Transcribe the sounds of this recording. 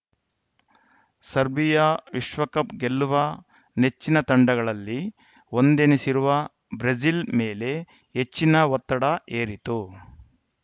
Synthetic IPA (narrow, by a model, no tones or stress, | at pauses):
sɐɾbijɐʋiʃʋɐkɐpɡelːuʋɐ | net͡ʃːinɐt̪ɐɳɖɐɡɐɭɐlːi | o̞nd̪enesiɾuʋɐ | bɾed͡ʒilmeːle̞ | ɦet͡ʃːinɐʋɐt̪ːɐɽɐʔeːɾit̪u